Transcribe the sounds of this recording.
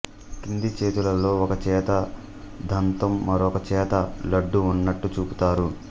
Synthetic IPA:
kind̪it͡ʃeːt̪ulɐlo̞ːɔkɐt͡ʃɛːt̪ɐ | d̪ʱɐnt̪ɐmːɐɾɔkɐt͡ʃɛːt̪ɐlɐɖːuːnːɐʈːut͡ʃuːput̪aːɾu

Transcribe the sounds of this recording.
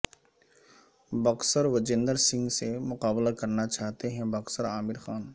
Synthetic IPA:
bɐqsəɾʋɐd͡ʒɪ̃nd̪əɾsɪ̃ŋɡsemʊqaːblakɐɾnat͡ʃaːɦt̪eɦɛ̃bɐksəɾaːmɪɾxaːn

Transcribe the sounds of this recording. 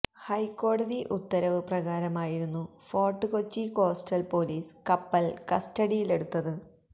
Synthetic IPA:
hɐjkːo̞ːɽɐðiʔut̪ːɐɾɐʋɨprɐɣaːɾɐmaːjiɾunːu | fo̞ːrʈːɨko̞t͡ɕːiko̞ːstɐlpo̞ːliːskɐpːɐlkɐstɐɽijile̞ɽut̪ːɐðɨ

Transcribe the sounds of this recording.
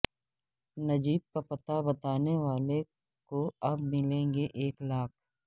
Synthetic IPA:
nɐd͡ʒiːt̪̚kapɐt̪abɐt̪aːneʋaːle | koɐbmɪlẽːŋɡeʔeːklaːk̚ʰ

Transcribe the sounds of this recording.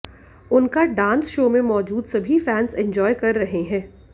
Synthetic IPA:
ʊnkaɖãːnsʃoːmẽmɔːd͡ʒuːd̪sɐbʱifɛːnsɛ̃ɲd͡ʒɔːjkɐɾːɐɦeɦɛ̃ː

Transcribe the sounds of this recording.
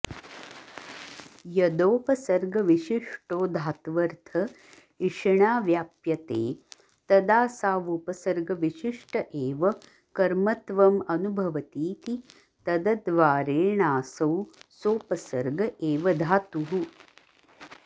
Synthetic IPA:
jɐd̪oːpɐsɐɾɡɐʋiʃiʂʈoːd̪ʱaːt̪ʋɐɾt̪ʰɐ | iʂɐɳaːʋjaːpjɐt̪eː | t̪ɐd̪aːsaːʋupɐsɐɾɡɐʋiʃiʂʈɐʔeːʋɐ | kɐɾmɐt̪ʋɐmɐnubʱɐʋɐt̪iːt̪i | t̪ɐd̪ɐd̪ʋaːɾeːɳaːsɐwsoːpɐsɐɾɡʱɐʔeːʋɐd̪ʱaːt̪uɦu

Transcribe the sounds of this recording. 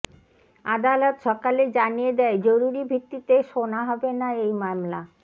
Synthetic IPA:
ad̪alot̪ʃɔkaled͡ʑanijed̪ɛed͡ʑoɾuɾibʱit̪ːit̪eʃonaɦɔbenaejmamla

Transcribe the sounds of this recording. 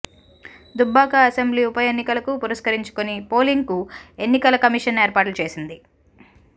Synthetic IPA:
d̪ubːaːkɐɐsembliːupɐjenːikɐlɐkupuɾɐʃkɐɾiɲt͡ʃu̥konipo̞ːliŋɡkue̞nːikɐlɐkɐmiʂɐne̞ːɾpaːʈlut͡ʃe̞ːsind̪i

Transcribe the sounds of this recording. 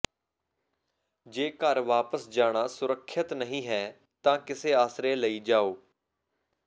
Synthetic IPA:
d͡ʒeːkəɾʋaːpəsd͡ʒaːɽ̃aːsʊɾəkʰːjət̪nəɦĩːɦɛː | t̪ãːkɪseːaːsɾeːləiːd͡ʒaːoː

